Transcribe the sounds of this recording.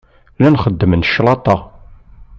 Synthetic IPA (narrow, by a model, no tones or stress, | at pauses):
lænχəd̪ːəmənʃlˤɑt̪ˤɑ